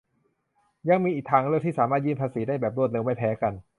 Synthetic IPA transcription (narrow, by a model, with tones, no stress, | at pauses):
ja˧ŋmiː˧ʔiː˨˩k̚t̪ʰaː˧ŋɾɯ˥˩ət̪iː˥˩saː˩˦maː˥˩jiː˥˩mpʰaː˧siː˩˦daː˥˩jbɛː˨˩p̚ɾu˥˩t̪le˧wma˥˩pʰɛː˦˥ka˧n